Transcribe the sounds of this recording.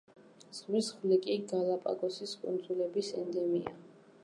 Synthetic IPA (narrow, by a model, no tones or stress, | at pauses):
z̥ʁwisχvlikʼiɡalˠapʼa̰ɡʼɔsiskʼṵnd̪zulɛbisɛnd̪ɛmia̰